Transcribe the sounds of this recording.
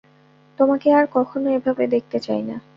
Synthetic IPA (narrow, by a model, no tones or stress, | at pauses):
t̪omakeaɾkɔkʰonoebʱabed̪ek̚ʰt̪et͡ɕajna